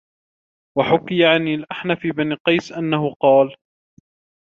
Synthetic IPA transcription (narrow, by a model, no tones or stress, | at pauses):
waħʊkːɪjaʕanɪlʔaħnafiːbaniqɑjsʔanːahʊqɑːl